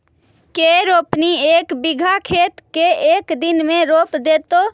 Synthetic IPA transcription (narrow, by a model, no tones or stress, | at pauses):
keːɾoːpnieːkbɪɡʱakʰeːt̪keeːkd̪ɪnmẽɾoːpd̪eːt̪oː